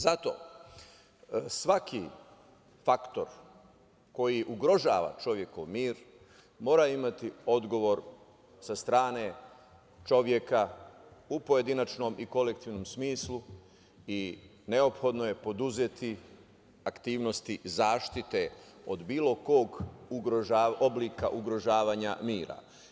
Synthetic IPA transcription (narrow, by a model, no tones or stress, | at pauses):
zat̪o̞̰ː | sʋakʰi | fakt̪o̞ɾ | ko̞jiʔuɡɾo̞ʒa̰ːʋa̰t͡ʃo̞ʋje̞ko̰ʋmiːɾ | mo̞ːɾaimat̪io̞d̪ɡo̞ʋo̞ɾ | sast̪ɾaːne̞ | t͡ʃo̞ʋje̞kaupo̞je̞d̪inat͡ʃno̞mʔiko̞le̞kt̪iʋno̞msmiːslu | i | ne̞o̞pxo̞d̪noje̞po̞d̪uzet̪i | akt̪iːʋno̞st̪izaːʃt̪it̪e̞o̞d̪biːlo̞koɡuɡɾoʒaːʔo̞bliːka̰ʔuɡɾo̞ʒaːʋaːɲa̰miːɾa̰